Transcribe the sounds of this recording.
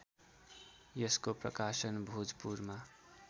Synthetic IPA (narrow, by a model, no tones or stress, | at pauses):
jʌskoprʌ̰kasənbʱud͡zpuɾma